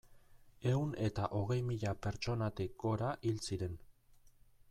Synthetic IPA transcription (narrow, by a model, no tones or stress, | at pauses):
e̞une̞t̪aʔo̞ɣ̞e̞jmiʎape̞ɾt͡ʃo̞nat̪ik̚ɡo̞ɾaʔilt͡siɾe̞n